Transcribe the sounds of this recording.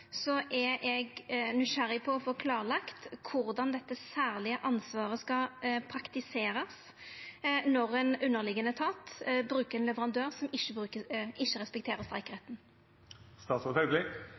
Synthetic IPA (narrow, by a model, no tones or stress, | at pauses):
sɔʔɛɛɡnɪʂæɾɪpʰɔɔfɔɾkʰlɑːɾəlɑkt̪kʰʊɾd̪ɑnd̪ɛt̪ːəsæːɾlɪəʔɑnsʋɑːɾəskɑpʰɾɑkt̪ɪseːɾɑs | nɔʁɛnʉnːəʁlɪɡːənət̪ʰɑːt̪bɾʉːkəɾɛnlɛʋəʁɑnd̪øːʁsɔmɪʃːəbɾʉːkəʔɪʃːəɾɛspɛk̚t̪ʰeːɾəst̪ɾʁæɪkəɾheːt̪n̩ | st̪ɑːt̪sɔt̪hœɡlɪ